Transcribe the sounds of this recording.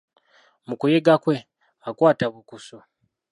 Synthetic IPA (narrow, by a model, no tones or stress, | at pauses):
mukujeɡakwe̞ | akwaːtaβukuso